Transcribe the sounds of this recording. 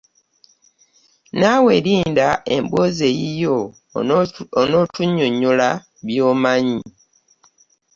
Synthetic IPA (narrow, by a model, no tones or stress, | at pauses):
nawedindaʔembozejijo | onotʰuɲoɲola | biomaɲĩ